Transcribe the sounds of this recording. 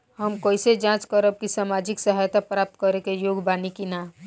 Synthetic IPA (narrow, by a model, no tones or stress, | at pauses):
ɦəmkoːɪsed͡ʒãːt͡ʃkəɾəb̚kisaːmad͡ʒɪksəɦaːjt̪apɾaːp̚t̪kəɾekejoːɡbaːnikina